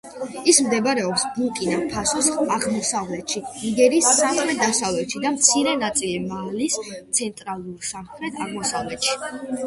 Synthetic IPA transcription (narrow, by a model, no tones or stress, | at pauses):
ismd̪ɛbɾɛɔpsbukʼinapʰasɔsaʁmɔsavlɛt̪ʃiniɡɛɾiːsːamχɾɛt̪̚d̪asavlɛt̪ʃid̪amt̪sʰiɾɛnat̪sʼilimalist̪sʰɛnt̪ʼɾalˠuɾsamχɾɛt̪ʰaʁmɔsavlɛt̪ʃi̥